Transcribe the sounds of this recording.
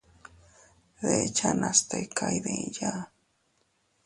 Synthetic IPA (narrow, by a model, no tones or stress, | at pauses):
ðet͡ʃanast̪ajkʰajðẽja